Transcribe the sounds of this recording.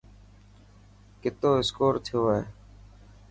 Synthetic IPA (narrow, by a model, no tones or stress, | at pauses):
kɪt̪oːɪskoːɾt̪ʰɪjoːeː